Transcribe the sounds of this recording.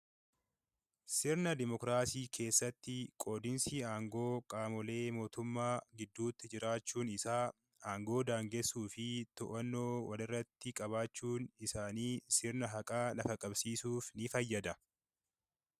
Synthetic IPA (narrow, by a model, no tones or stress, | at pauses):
sɪɾnɐd̪ɪmɔkɾaːsiːkʰe̞ːsːɐt̪ːɪkʼo̞ːd̪ɪnsiaːŋɡo̞ːkʼaːmɔle̞ːmo̞ːt̪ʊmːaːɡɪd̪ːuːt̪ːɪd͡ʒɪɾaːt͡ʃːuːnɪsaː | aːŋɡo̞ːd̪aːŋɡesːuːfɪt̪ɔʔɐnːo̞ːwɐlɪrːɐt̪ːɪkʼɐβaːt͡ʃːuːnɪsaːniːsɪɾnɐɦɐkʼaːlɐfɐkʼɐbsiːsuːfnɪfɐjːɐd̪ɐ